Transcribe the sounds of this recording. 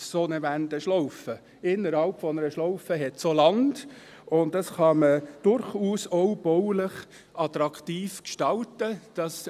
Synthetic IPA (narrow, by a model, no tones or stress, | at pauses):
sonəvændəʃlɔʊfə | ɪnːəɾhɑlpfɔnəɾəʃlɔʊfəɦɛtsolɑnd | ʊnddɑsχɑməd̥ʊɾχuːsɔʊb̥ɔʊlɪχ | ɑtɾɑktiːfkʃtɑltəd̥ɑs